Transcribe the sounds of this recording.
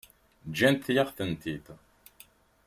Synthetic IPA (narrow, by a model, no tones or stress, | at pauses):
d͡ʒːænt̪ːjaʁθənt̪id̪